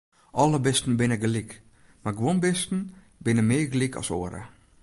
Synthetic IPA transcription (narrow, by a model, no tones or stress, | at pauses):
ʔɔləbɪstn̩bɪnəɡəlik | maɡwonbɪstn̩ | bɪnəmɪːɡlikʰɔ̰so̰ːəɾə̰